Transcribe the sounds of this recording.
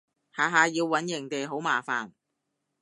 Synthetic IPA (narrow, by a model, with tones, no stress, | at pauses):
haː˨ɦaː˨˧jiː˧wːɐ˨˥njɪ˨˩ŋt̪e˨jɦo˨˥wmaː˨fa̰ː˨n